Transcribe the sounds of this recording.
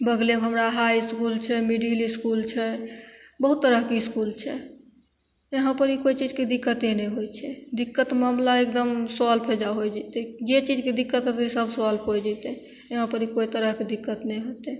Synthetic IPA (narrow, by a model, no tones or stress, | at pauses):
bəɡlemɦəmɾaɦajiskult͡ʃʰɛmiɖiəliskult͡ʃʰɛ | bəɦut̪ːəɾəɦkeiskult͡ʃʰɛ | eɦãpəɾikoit͡ʃid͡ʒked̪ikːət̪enɛɦojt͡ʃʰɛd̪ikːət̪mamlaek̚d̪əmsalpʰed͡ʒaɦojd͡ʒɛt̪ed͡ʒet͡ʃid͡ʒked̪ikːət̪ɦət̪esəbʱsəalpʰojd͡ʒɛt̪e | eɦãpəɾikoit̪əɾəɦked̪ikːət̪nɛɦot̪e